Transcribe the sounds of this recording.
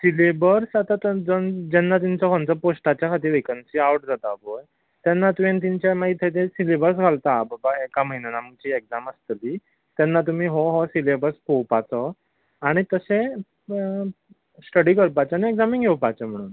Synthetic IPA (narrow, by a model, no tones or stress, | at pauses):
silebəɾsat̪at̪əd͡zənd͡ʑɛnːat̪iɲt͡sɔkʰɔ̃nt͡səposʈat͡ɕjakʰat̪iːɾʋekənsiawʈd͡zat̪aboj | t̪janːat̪uʋẽnt̪̬iɲt͡ɕamait̪ʰət̪esilebəɾs̬ɡʱalt̪ababaekaməɦinenaməɡt͡ɕiːek̚d͡zaməst̪liː | t̪anːat̪̬um̤iːɦɔɦɔsilebəɾspowpat͡sɔ | aɽ̃it̪əsẽ | sʈəɽiːkəɾpat͡ɕanieɡd͡zamĩŋɡʱewpat͡sem̤əɽ̃ṵːn